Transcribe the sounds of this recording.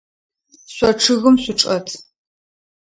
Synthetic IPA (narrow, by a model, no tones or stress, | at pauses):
ɕʷɔʈ͡ʂʰɨɣɨmɕʷʊʈ͡ʂʼɐtʰ